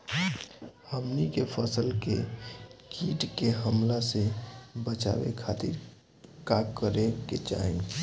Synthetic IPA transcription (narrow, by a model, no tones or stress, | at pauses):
həmnikepʰəsəlkḛ | kiːʈkeɦəmlasebət͡ʃa̰wḛkʰat̪ḭɾ | kakəɾekḛt͡ʃa̰ːẽ